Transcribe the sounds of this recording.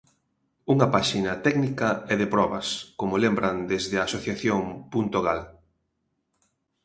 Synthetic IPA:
uŋɐpaʃinɐt̪ɛɡnikɐɛðepɾɔβɐ̰skomolembɾɐnd̪ezðɪɐːsoθjaθjoŋpunt̪oɣ̞al

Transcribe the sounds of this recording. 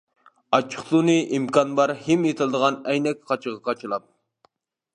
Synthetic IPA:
ɑt͡ʃʰə̥χlˠunɨʔimkɑnbɑɾhemjet̪ʰɨlˠɨd̪əʁɑnɛjnɛk̚ʲqʰɑt͡ʃʰəʁɑqʰɑt͡ʃʰɨlˠɑp̪̚

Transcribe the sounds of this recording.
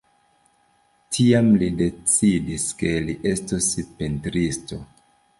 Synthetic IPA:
tʰiamlide̞t͡sidiske̞liʔe̞stospentɾisto̞

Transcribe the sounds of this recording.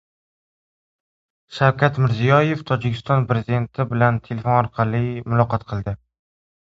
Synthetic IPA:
ʃawkʲat̪mɪɾzijɒje̞ft̪ʰɒd͡ʒɪkʲʰɪst̪ɒnpɾezid̪e̞nt̪ʰɪbɪlant̪ʰe̞lefonɒɾqʰɑlˠimʊlˠɒqɒt̪qʰɨlˠd̪ɪ

